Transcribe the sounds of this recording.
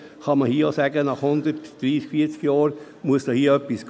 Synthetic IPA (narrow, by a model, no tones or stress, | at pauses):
χɑməhiəosæːɡənɑχhʊndəɾtd̥ɾiːskfiːt͡skjɑːɾ | muəsd̥ɑhiːəœpːisk